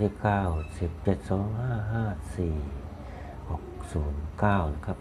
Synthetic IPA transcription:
si˧p̚kaː˧˩wsi˨˧˦p̚t͡ɕe˧˩t̪̚sɔː˨˦ŋhaː˧˥˩ɦaː˧˥˩siː˨˩ | ho˨˩˦k̚suː˨˩˦nkaː˧˥˩wna˨˧˦kʰa˧˩p̚

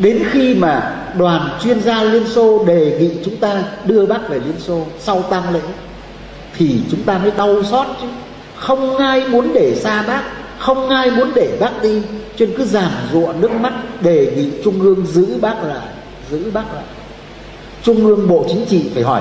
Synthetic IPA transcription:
ɗe˨˦nxi˧maː˨˩ | ɗwaː˨˩nt͡ɕwi˧ənzaː˧li˧ənso˧ɗe˨˩ŋḭ˧˨t͡ɕʊ˨˦ŋ͡mt̪aː˧ɗɨ˧əɓaː˦˥k̚ve˨˩li˧ənso˧sa˧wt̪aː˧ŋlḛ˧˥ | t̪ʰi˨˩t͡ɕʊ˨˦ŋ͡mt̪aː˧nɔ˨˦jɗa˧wsɔ˦˥t̚t͡ɕɨ˨˦ | xə˧wŋ͡mʔaː˧jmu˨˦ənɗe˧˩saː˧ɓaː˦˥k̚ | xə˧wŋ͡mʔaː˧jmu˨˦ənɗe˧˩ɓaː˦˥k̚ɗi˧t͡ɕe˧nkɨ˨˦zaː˨˩mzṵ˧˨ənɨ˦˥ək̚ma˦˥t̚ɗe˨˩ŋḭ˧˨t͡ɕʊ˧ŋ͡mʔɨ˧əŋzɨ̰˧˥ɓaː˦˥k̚la̰ː˧˨j | zɨ̰˧˥ɓaː˦˥k̚la̰ː˧˨j | t͡ɕʊ˧ŋ͡mʔɨ˧əŋɓo̰˧˨t͡ɕï˨˦ŋ̟t͡ɕḭ˧˨fʰaː˧˩jhɔ˧˩j

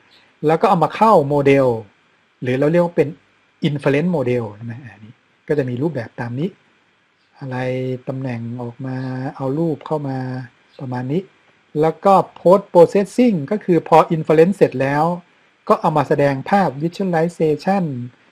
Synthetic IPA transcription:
lɛː˦˥wkɔː˥˩ʔa˧wmaː˧kʰa˥˩wmoː˧de˧w | lɯː˩˦lɛː˧˥˩wɾi˥˩ək̚waː˥˩pe˧n | ʔi˧nfa˧le˦˥nmoː˧de˧wt͡ɕʰa˥˩ma˦˥jʔaː˧˩ni˦˥ | kɔː˥˩t͡ɕa˨˩miː˧ɾuː˥˩p̚bɛː˨˩p̚t̪aː˧mniː˦˥ʔ | ʔa˧ɾa˧jt̪a˧mnɛ˨˩ŋʔɔː˨˩k̚maː˧ʔa˧wɾuː˥˩p̚kʰa˥˩wmaː˧ | pɾa˧maː˧nːiː˦˥ʔ | lɛː˦˥wkɔː˥˩pʰoː˦˥t̪̚poː˧seː˦˥t̪̚si˥˩ŋkɔː˥˩kʰɯː˧pʰɔː˧ʔi˧nfa˧le˦˥nse˨˩t̪̚lɛː˦˥w | kɔː˥˩ʔa˧wmaː˧sa˧dɛː˧ŋpʰaː˥˩p̚wi˦˥t͡ɕʰo˥˨nla˦˥jseː˧t͡ɕʰa˥˩n

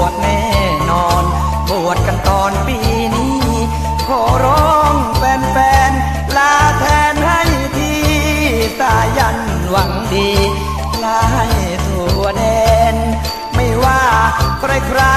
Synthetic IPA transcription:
ət̪̚nɛː˧˥˩ | nɔː˧n | pu˨˩ət̪̚ka˧nt̪ɔː˧npiː˧ | niː˦˥˩ | kʰoː˨˩ɾo˦˥˧ŋpɛː˧npɛː˧n | laː˦˥t̪ʰɛː˧nha˥˩jt̪ʰiː˧˩t̪aː˧˩ja˧˩n | wa˨˩˦ŋdiː˧ | laː˧˥ha˥˩jt̪ʰu˨˩˦ɐde˧n | ma˧˥˩jwaː˧˩kʰɾa˧˩jkʰɾaː˧

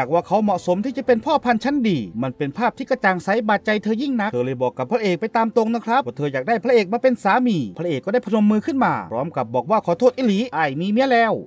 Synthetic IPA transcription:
jaː˨˩k̚waː˧˩kʰa˦˥wmɔ˨ʔso˨˦mt̪ʰiː˧˥˩t͡ɕa˨˧˩pe˧npʰɔː˥˩pʰa˧nt͡ɕʰa˦˥ndiː˧ma˧˩npe˧npʰaː˥˩p̚t̪ʰiː˥˩ka˧t͡ɕaː˨˩ŋsa˨˦˥jbaː˨˩t̪̚t͡ɕa˧jt̪ʰɤː˧ji˥˩ŋna˦˥k̪ʰɤː˧lɤː˧˩jbɔː˨˩kːa˨˩pʰːɾa˧˥ʔeː˨˩k̚pa˧jt̪aː˧mt̪o˧ŋnaː˧˩kʰɾa˦˥p̚ɔː˧˩t̪ʰɤː˧jaː˨˩k̚daː˧˥˩jpʰɾa˧˥ʔeː˨˩k̚maː˧˩pe˧nsaː˨˦miː˧pʰɾa˧ʔeː˨˩kːda˥˩pʰno˧mːɯː˧kʰɯ˥˩nmaː˧ɾɔː˦˥mka˨˧˩p̚bɔː˨˩k̚waː˧˩kʰɔː˨˧˩t̪ʰoː˥˩t̪ʔiː˧liː˨˦˥ʔaː˧˩jmiː˧mi˦˥ə˨lɛː˧˩˨w

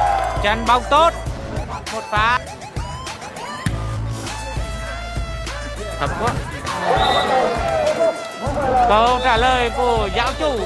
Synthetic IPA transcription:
t͡ɕa˧nɓa˧˦wŋ͡mt̪o˦˥t̚mo˨˩t̚faː˨˦ | t̪ʰə˨˩p̚ku˦˥t̚ | kə˧t͡ɕaː˧˩ləː˨˩jku˧˩əəza̰ː˧˥wt͡ɕu˧˩

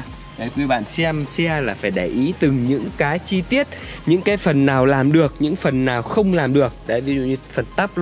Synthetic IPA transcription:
ka˨˦jkwi˧ɓa̰ː˧˨nsɛ˧msɛ˧laː˨˩faː˧˩jɗaː˧˩jʔi˨˦t̪ɨ˨˩ŋɲɨ̰˧˥ŋkaː˨˦t͡ɕi˧t̪i˦˥ət̚ɲɨ̰˧˥ŋkaː˨˦jfə˨˩nːaː˨˩wlaː˨˩mɗɨ˨˩ək̚ɲɨ̰˧˥ŋfə˨˩nːaː˨˩wxə˧wŋ͡mlaː˨˩mɗɨ˨˩ək̚ɗa̰˨˦jvi˧zṵ˧˨ɲɨ˧fə˨˩nt̪a˦˥p̚l

